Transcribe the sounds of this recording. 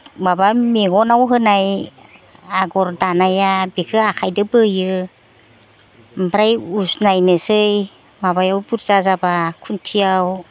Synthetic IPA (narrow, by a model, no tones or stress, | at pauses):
babameɡɔnawɦɯnaj | aɡɔɾdanajabekʰɯakʰajdɯbɯjɯ | bɾajusnajnɯsɯj | mabajawbuɾzazabakʰuntʰijaw